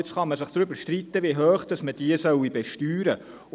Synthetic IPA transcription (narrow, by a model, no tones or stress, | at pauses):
t͡sχɑməsɪχd̥̪ɾybəɾʃtrit̪ːəviɦœːχd̥ɑsməd̥iəsœwibɛʃtyːɾə